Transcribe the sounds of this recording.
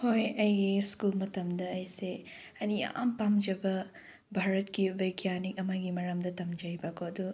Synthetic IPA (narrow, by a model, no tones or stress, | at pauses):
hojɐjɡiskulmɐt̪ɐmd̪ɐːjse | ɐnija̰mpamd͡ʒɐbɐ | bʱaɾɐtkiʋɐjɡjanikɐmaɡimɐɾɐmd̪ɐtɐmd͡ʒɐjbakʰoɐd̪u